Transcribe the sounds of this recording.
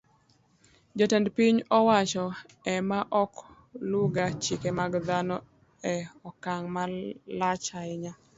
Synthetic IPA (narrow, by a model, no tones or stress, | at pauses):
d͡ʒɔtɛndpiɲɔwat͡ʃɔ | ɛmaʔɔk | luɡat͡ʃikemaɡd̪anɔ | ɛɔkaŋmalat͡ʃaɪɲa